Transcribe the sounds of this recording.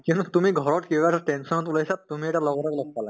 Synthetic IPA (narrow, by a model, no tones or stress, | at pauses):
kiũntutumiɡʱɔɹɔtkibaɛsaʈensɔnɔtulasap̚tumiɛʈalɔɡɔtaklɔɡpala̰